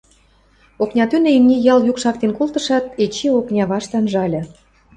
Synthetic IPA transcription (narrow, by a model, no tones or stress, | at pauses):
oknʲɑt̪ynĕinʲijɑljukʃɑk̚t̪enkolt̪ə̆ʃɑt̪̚et͡ɕioknʲɑβɑʃt̪ɑnʒɑlʲɤ̆